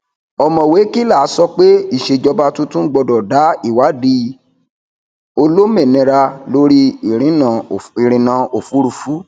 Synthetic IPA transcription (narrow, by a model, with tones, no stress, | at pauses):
ɔ˧mɔ̃˨we˨˦ki˦la˦˨a˨˦sɔ˧k͡pe˦i˦˨ʃe˧d͡ʒɔ˧ba˧tũ˦tũ˦ɡ͡bɔ˧dɔ˨da˨˦i˦˨wa˨˦di˧ | o˧lo˦mẽ˦˨nĩ˧ɾa˧lo˦ɾi˦˨ɾ̃ĩ˨˦nã˨i˨ɾ̃ĩ˨nã˨˦o˨fu˨˦ɾu˦˨fu˨˦